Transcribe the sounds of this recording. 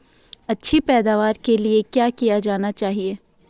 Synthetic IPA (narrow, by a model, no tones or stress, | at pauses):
ɐtːʃʰipɛːd̪aːʋaːɾkeliekjaːkijad͡ʒaːnat͡ʃaːɦieː